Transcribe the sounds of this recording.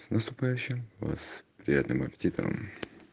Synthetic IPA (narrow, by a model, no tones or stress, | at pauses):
snəst̪ʊpajʉɕːɪmva̰spɾʲɪjat̪nɨmɐpʲɪ̥tʲit̪ə̰ɾə̰m